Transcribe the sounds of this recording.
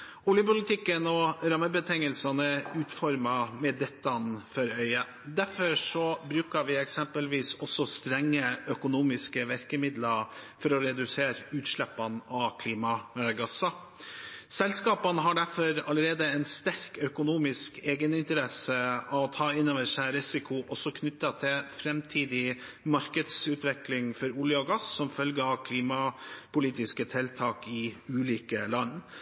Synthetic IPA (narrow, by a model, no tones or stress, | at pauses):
ʊljəpʊlɪt̪ʰɪkːənɔɾɑmːəbət̪ʰɛŋəlsɑnəʉːt̪fɔɾmɑmɛd̪ɛt̪ːɑnfɔɾœʏɑ | d̪æɾfɔʂɔbɾʉːkəɾʋɪɛksɛmpəlʋiːsɔsɔst̪ɾɛŋːəʔœkʊnuːmɪskəʋæɾkəmɪd̪lɑɾfɔɾɔɾɛd̪ʉseːɾʉːt̪ʂɭɛpːɑnɑʋkʰliːmɑɡɑsɑ | sɛlskɑːpənəɦɑɖæɾfɔɾɑləɾeːd̪əɛnst̪æɾkœkʊnuːmɪskeːɡənɪnt̪əɾɛsəɑt̪ʰɑːɪnɑʋəʂæɪɾɪsɪkʰʊʔɔsɔkʰnʏt̪ːɑt̪ʰɪlfɾɛmt̪ʰiːd̪ɪ | mɑɾkəd̪sʉːt̪ʋɛklɪŋfɔɾʊljəɔɡɑsːɔmfœlɡəɑʋkʰliːmɑpʊliːt̪ɪskət̪ʰɪlt̪ʰɑːkɪʉːliːkəlɑnː